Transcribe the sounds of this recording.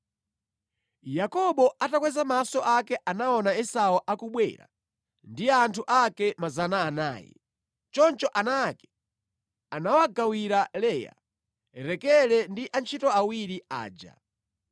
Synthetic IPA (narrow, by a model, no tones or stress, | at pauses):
jakɔɓɔatakwɛzamasɔʔakɛʔanaɔnaɛsaɔʔakuɓwɛ̰ːɾa̰ | ndijɛantʰuʔakɛmazanaːna̰ːjɛ̰ | t͡ʃɔnt͡ʃɔʔanakɛ̥ | anawaɡawiɾalɛja̰ | ɾɛkɛlɛndiʔant͡ʃʰitɔawiɾia̰ːd͡ʒa̰